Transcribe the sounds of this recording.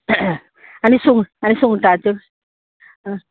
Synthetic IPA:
anisoŋanisoŋtaːtem

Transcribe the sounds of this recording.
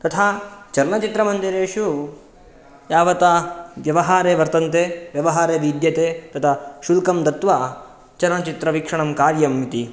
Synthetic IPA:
t̪ɐt̪ʰaːt͡ʃɐɾɐɳɐt͡ʃit̪ɾɐmɐnd̪iɾeːʂu | jaːʋɐt̪aːʋjɐʋɐɦaːɾeːʋɐɾt̪ɐnt̪eːʋjɐʋɐɦaːɾeːʋid̪jɐt̪eːt̪ɐt̪ʰaʃulkɐmd̪ɐt̪ʋa | t͡ʃɐɾɳɐt͡ʃit̪ɾɐʋikʂɐɳɐmkaːɾjɐmːit̪i

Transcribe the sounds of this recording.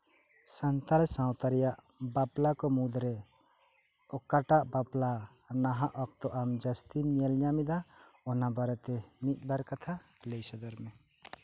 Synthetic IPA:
sant̪alɛsãwt̪aɾɛjaʔ | baplakɔmud̪ɾɛ | ɔkaʈaʔbaplanaɦaʔɔk̚t̪ɔʔamd͡ʒəst̪inijelɲamid̪aɔnabaɾɔt̪ɛmit̪̚ˀbaɾkat̪ʰa | lejsɔd̪ɔɾmɛ

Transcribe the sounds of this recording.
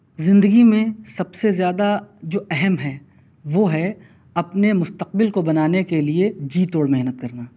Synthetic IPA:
zɪ̃nd̪əɡimẽsɐbsezjaːd̪ad͡ʒoːʔɛɦɛmɦɛː | ʋoːɦɛ | ɐpnemʊst̪əq̚bɪlkobɐnaːnekelied͡ʒiːt̪oːɽmɛɦnət̪̚kɐɾnaː

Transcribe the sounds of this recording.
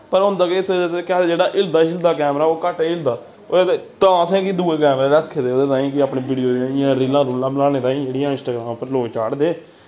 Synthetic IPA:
pəɾʊ̃nd̪aːket̪ːet̪ekɛd͡ʒeːɽaːʔɪld̪aːʃɪld̪aːkɛːmɾaːoːkəʈeɪld̪aː | ot̪ãːsẽːkid̪uːeːkɛːmɾeːɾəkʰːed̪eːoːd̪eːt̪aːĩːkɪaːpɳẽːbiːɖijoːdãijãːɾiːlãːɾuːlãːməlaːneːt̪aːĩːd͡ʒeːɽijãːɪ̃nsʈaːɡɾaːmːpəɾloːt͡ʃaːɽd̪eː

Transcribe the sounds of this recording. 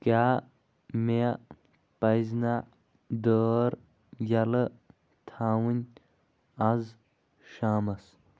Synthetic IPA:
kaː | mea | pɐjzna | d̪əːɾ | jɐlə | t̪ʰaːwunʲ | ɐz | ʃaːmɐs

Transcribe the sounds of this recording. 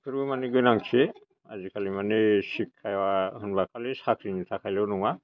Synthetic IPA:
kʰuɾumaneɡɯnaŋt͡ʃʰe | a̰zikʰalimanesikʰːajwaɦunbakʰalisakʰɾinit̪ʰakʰajlewnuŋa

